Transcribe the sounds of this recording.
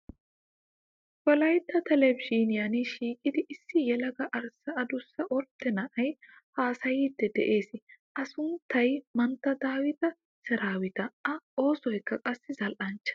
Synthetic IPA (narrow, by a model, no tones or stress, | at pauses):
wɔlɐjt̪ːɐt̪ɛlɛbd͡ʒiːnɪjɐniʃiːkʼɪd̪ɪʔɪsːɪjɛlɐɡɐʔɐɾsːɐɐd̪ʊsːɐʔɔɾt̪ːɛnɐʔɐj | haːsɐjiːd̪ːɛd̪ɛʔe̞ːsɪʔɐsʊnt̪ːɐjmɐnt̪ːɐd̪aːwɪt̪ɐ | sɛɾaːwɪt̪ɐʔɐo̞ːsɔjkːɐkʼɐsːɪzɐlʔɐnt͡ʃːɐ̥